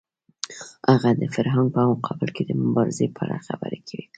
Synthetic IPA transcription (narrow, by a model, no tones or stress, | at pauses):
haɣad̪əfaɾɦaŋɡ̚pəawʊqʰɑbɪlked̪əmʊbɑɾɪzepʰəa̰ɽaxabə̰ɾekʰawi